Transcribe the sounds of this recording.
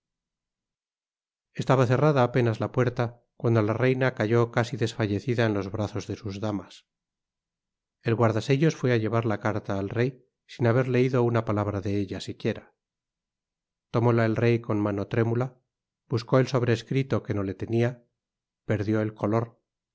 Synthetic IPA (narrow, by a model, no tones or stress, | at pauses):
e̞st̪aβaθe̞raðaːpe̞nazlapwe̞ɾt̪a | kwand̪o̞larejnakaʝo̞kasiðe̞sfaʝe̞θiðaenlo̞zβɾaθo̞zðe̞suzðamas | e̞lɣwaɾðaseʎo̞sfwe̞aʎe̞βaɾlakaɾt̪aːlre̞j | sinaβe̞ɾle̞iðo̞unapalaβ̞ɾaðe̞eʎasikje̞ɾa | t̪o̞mo̞laelre̞jko̞nmano̞t̪ɾe̞mula | b̥usko̞elso̞β̞ɾe̞ːskɾit̪o̞ke̞no̞le̞t̪e̞nia | pe̞ɾðjo̞e̞lkʰo̞lo̞ɾ